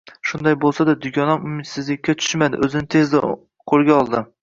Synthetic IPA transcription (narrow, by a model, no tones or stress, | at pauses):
ʃʊnd̪ajbolˠsad̪ad̪ʊɡʲɒnɒmʊmɪt̪sɪzlɪkʲːat͡ʃ̪ʰʊ̥ʃmad̪ɪ̰ʔɵzɪnɪt̪ʰe̞zd̪ɪ | qʰolˠɡʲaɒlˠd̪ɪ